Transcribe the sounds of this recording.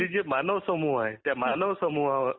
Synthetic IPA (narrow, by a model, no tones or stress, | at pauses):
id͡ʒemanəʋsəmuɦajt̪jamanəʋsəmuɦa